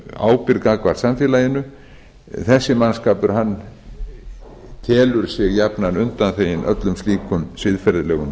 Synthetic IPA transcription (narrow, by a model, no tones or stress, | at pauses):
a̰ːwpɪɾkakvaɾ̥samfɪːlajɪnʏ | θɛsːɪmanskaːpʏɾ̥ɦanː | t̪ʰɛːlʏɾ̥sjɛɣjapnanʏnt̪anθeːjɪnʔœ̰t̪lʏmst̪iːkʰʏmsvɪðfɛɾðɪlɛːɣʏn